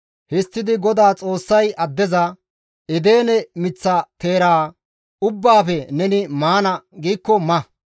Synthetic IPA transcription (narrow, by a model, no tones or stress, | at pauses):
hɪst̪ːɪd̪ɪɡɔd̪aːt͡sʼo̞ːsːɐjɐd̪ːɛzɐ | ɪd̪e̞ːnɛmɪt͡sːɐt̪eːɾaː | ʊbːaːfɛnɛnɪmaːnɐɡiːkːɔmɐ